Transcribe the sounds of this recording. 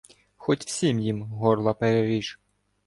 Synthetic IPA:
xɔtʲw̥sʲimjimɦɔrlˠɐpeɾeɾʲiʃ

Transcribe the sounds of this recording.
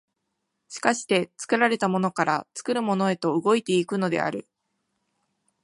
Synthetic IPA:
ɕi̥kaɕi̥t̪e̞t͡sɨ̥kɯ̟ɾaɾe̞t̪amo̞no̞kaɾat͡sɨ̥kɯ̟ɾɯ̟mo̞no̞e̞t̪o̞ɯɡo̞it̪e̞ikɯ̟no̞d̪e̞̰a̰ɾɯ̟

